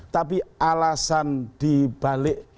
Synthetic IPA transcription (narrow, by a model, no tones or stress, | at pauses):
t̪apiʔalasand̪̥ib̥a̤lɪʔ